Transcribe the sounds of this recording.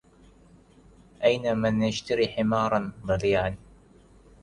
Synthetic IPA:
ʔajnamɪnjaʃt̪aɾiːħɪmɑːɾˤɑnðˤɑliːʕan

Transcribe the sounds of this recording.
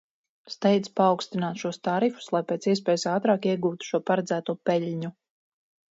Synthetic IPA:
st̪ɛjd̪spaːwkst̪inaːt̪ʃuɔst̪aɾifu̥slˠajpeːt̪siɛs̬pɛːjusaːt̪ɾaːkiɛɡuːt̪u̥ʃuɔpaɾɛd̪zæːt̪uɔpɛʎʲɲu

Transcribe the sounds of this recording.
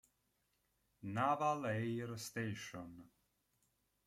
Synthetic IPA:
navalejɾst̪ejʃɔn

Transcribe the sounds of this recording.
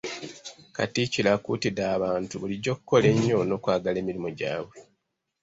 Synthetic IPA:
katicilakṵːtidaːβaːntuβuliɟo̞ːkukːo̞le̞ɲːo̞no̞ːkwaːɡale̞ːmilimoɟa̰ːβwe̞

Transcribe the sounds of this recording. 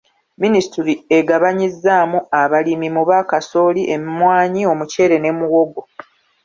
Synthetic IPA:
ministiɾie̞ɡaβaɲizːaːmuaβalimimuβaːkasoːliʔemimwaːɲio̞muce̞ːɾe̞ne̞muwo̞ɡo̞

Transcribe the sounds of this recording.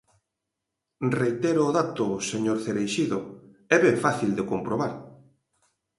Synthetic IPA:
rejt̪ɛɾʊːðat̪ʊseɲoɾθeɾejʃiðʊ | ɛβɛɱfaθild̪ekompɾoβaɾ

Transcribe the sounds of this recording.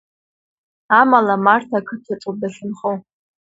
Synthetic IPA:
amalamartʰakʰɨtʰaʈ͡ʂʼodaɬɨnχow

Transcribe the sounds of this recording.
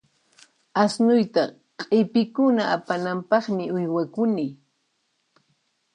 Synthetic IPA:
asnʊjt̪a | qʼɪpɪkʊnaʔapanampɑχmɪʊjwakʊni

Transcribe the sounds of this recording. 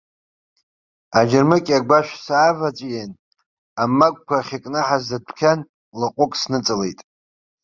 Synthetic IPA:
ad͡ʒɪrmɨkʲʼaɡʷaʃʷᶣsaːvat͡sʷʼjen | amːakʷʼkʷʰaχʲakʼnɨħazdadʷʰkʲʰan | laqʷʼʊkʼsnɨt͡sʼɨle̞̰jtʼ

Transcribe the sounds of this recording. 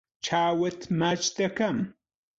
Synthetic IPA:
t͡ʃʰaːwɐt̪ʰmat͡ʃt̪ɐkɐm

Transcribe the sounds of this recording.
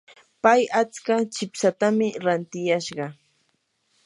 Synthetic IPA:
pajat͡skat͡ʃɪpsat̪amɪɾant̪ɪjaʃɢɑ

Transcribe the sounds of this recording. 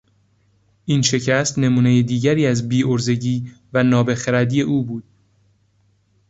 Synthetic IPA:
ʔiːnʃe̞cʰæst̪ne̞muːne̞jed̪iːɟæɾiːæzbiːʔoɾze̞ɟiːvænɒːbe̞xeɾæd̪iːeʔuːbuːd̪̥

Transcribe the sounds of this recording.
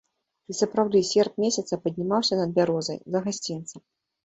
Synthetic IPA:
isɐpɾawd̪ɨsʲɛrp̚mʲesʲɐt̪sɐpɐdʲnʲimawsʲɐnɐd̪̚bʲaɾɔzɐ̰jzɐɣasʲt͡sʲint̪sɐm

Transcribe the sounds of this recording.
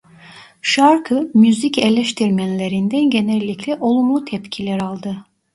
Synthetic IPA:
ʃaɾkʰɯmjyzicelʲɛʃt̪ʰiɾmænlʲe̞ɾind̪ænɟe̞nɛlʲːicʰlʲɛʔo̞lˠumlˠut̪ʰɛpcʰilʲæɾalˠd̪ɯ

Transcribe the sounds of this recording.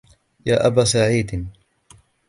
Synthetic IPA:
jaːʔabaːsaʕiːd̪

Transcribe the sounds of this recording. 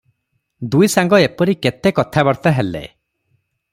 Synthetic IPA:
d̪ujsaŋɡɔepɔɾiket̪ekɔt̪ʰabɔɽt̪aɦelḛ

